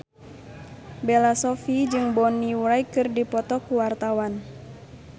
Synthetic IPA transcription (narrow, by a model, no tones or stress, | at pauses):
belasɔfid͡ʒɨŋbɔniuɾaikɨrdipɔt̪ɔkuwart̪awan